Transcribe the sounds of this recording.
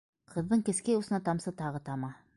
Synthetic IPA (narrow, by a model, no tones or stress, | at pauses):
qʰɤ̆ðːɤɴkɘ̆skæjusɤ̆nɑt̪ɑmsɤt̪ɑʁɤt̪ɑmɑ